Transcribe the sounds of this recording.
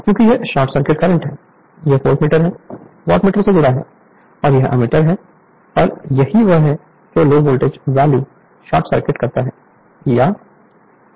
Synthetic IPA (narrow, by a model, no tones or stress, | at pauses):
kjõːkijeʃaːʈsəɾkɪʈ̚kɐɾə̃ɳʈɦɛː | jɐɦfoːlʈmiːʈəɾɦɛ | ʋɔːʈmiːʈəɾsed̪ʊɾaɦɛ̰ː | ɔːɾjɐɦʔɐ̰mɪʈəɾɦɛ | ɔːɾjɐɦiʋəɦɦɛ | keoloːboːlʈed͡ʒʋɛːli | ʃɔːʈsəɾkɪʈkɐɾt̪aɦɛː | jaː